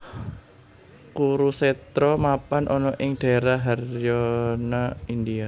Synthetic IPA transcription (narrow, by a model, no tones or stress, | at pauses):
kuɾusɛt̪ɾɔmapanʔɔnɔʔɪŋd̥a̤ɾaɦarjɔnaindia